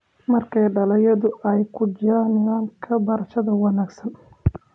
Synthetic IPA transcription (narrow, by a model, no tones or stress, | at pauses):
mɐrkʰɛjɖɐlɐjɐðʊʔɛjkʰʊd͡ʒɪɾaːnɪðaːŋkʰɐbɐɾɐʃɐðɐwɑnaːɡsɐn